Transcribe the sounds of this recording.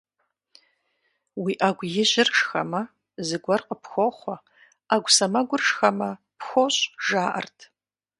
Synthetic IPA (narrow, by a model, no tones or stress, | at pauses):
wiːʔaɡʷjɪʒɪrʂxɐmɐ | zɨɡʷɐrqʼəpʰxʷoχʷɔ | aɡʷsɐmɐɡʷʊrʂxɐmɐ | pxʷoɕʼʒaːʔɐ̰rtʰ